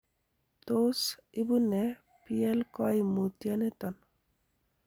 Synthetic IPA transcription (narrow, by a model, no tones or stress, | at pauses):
t̪osibunɛ | pielkɔjmut̪janet̪ɔn